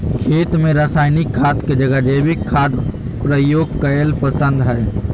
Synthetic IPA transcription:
kʰeːt̪mẽɾaːsaːjnikʰːaːt̪ked͡ʒəɡəd͡ʒebʱikʰːaːd̪ | pɾəjoːɡ̚kəjəlpəsə̃nd̪ɦɛː

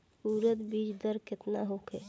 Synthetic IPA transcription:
suːɾət̪bid͡ʒd̪əɾkɪt̪naɦokʰe

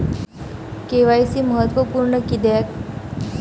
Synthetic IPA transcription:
keʋajsiːməɦət̪ʋəpuːɾɳəkid̪jak

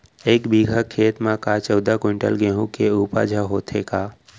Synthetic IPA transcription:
ekbiɡʱəkʰːeːt̪mãkat͡ʃəwd̪akoɪɳʈə̰lɡeɦũkeupa̰d͡ʒʱəɦot̪ʰeka

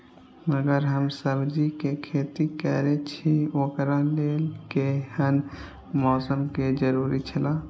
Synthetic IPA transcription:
məɡəɾɦəmsəbd͡ʒikekʰeːt̪ikɛɾet͡ʃʰiokɾalelkehən | mɔːsəmked͡ʒəɾuːɾit͡ʃʰəla

